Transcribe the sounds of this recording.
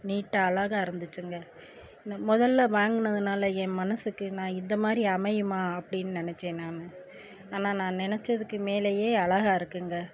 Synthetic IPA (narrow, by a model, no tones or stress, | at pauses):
niːʈːɐːlɐɣɐɪɾɯnd̪ɯt͡ʃːɯŋɡɐ | mɔðɐlːɐʋaːŋɡɯnɐðɯnaːlɐɛmɐnɐsɯkːɯnãːɪnd̪ɐmaːd̪ɾiɐmɐjɯmaːɐpːɐɽɪnːɯnɪnɛt͡ʃːeːnːaːnɯ | aːnaːnãːnɪnɛt͡ʃːɐðɯkːɯmeːlɐjeːɐlɐɣaːɪɾɯkːɯŋɡɐ